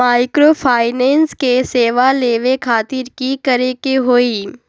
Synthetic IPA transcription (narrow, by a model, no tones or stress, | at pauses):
maːɪkɾoːpʰaːɪneːnskeseːʋaleːʋekʰaːt̪ɪɾkikɐɾekeɦoːiː